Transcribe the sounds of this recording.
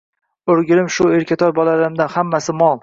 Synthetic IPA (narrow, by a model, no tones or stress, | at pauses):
ɵɾɡʲɪlɪmʃʊeɾkʲʰat̪ʰɒɾbɒlalɪmd̪anhamːasɪmɒlˠ